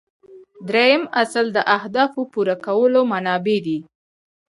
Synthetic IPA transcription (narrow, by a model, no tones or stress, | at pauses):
d̪ɾejəmasld̪əʔahd̪ɑfopuɾakawəlomanɑbed̪i